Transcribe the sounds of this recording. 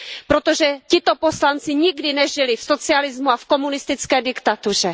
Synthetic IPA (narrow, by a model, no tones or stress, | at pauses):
pɾo̞t̪oʒɛcɪt̪o̞po̞slant͡sɪɲɪɡdɪnɛʒɪlɪfso̞t͡sɪalɪzmuafko̞munɪst̪ɪt͡skɛːdɪkt̪at̪ur̝ɛ